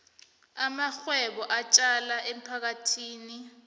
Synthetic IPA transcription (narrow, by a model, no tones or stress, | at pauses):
amaxwɛɓɔʔat͡ʃʼalaʔem̩pʰak̬atʰiːni